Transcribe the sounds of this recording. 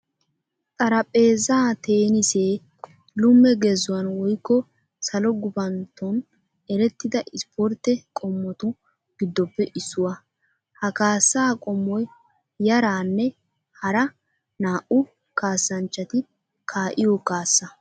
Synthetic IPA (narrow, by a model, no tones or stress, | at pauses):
t̪ʼɐɾɐpʼe̞ːzaːt̪e̞ːnɪseː | lʊmːɛɡezʊwɐnwɔjkːɔ | sɐlɔɡʊbɐnt̪ɔn | ɛɾɛt̪ːɪd̪ɐʔɪspʰɔɾt̪ːɛkʼɔmːɔt̪ʊ | ɡ̥ɪd̪ːɔpːɛʔɪsːʊwɐ | hɐkaːsːaːkʼɔmːɔj | jɐɾaːnːɛ | hɐɾɐ | naːʔʊ | kaːsːɐnt͡ʃːɐt̪ɪ | kʰaːʔɪjɔkaːsːɐ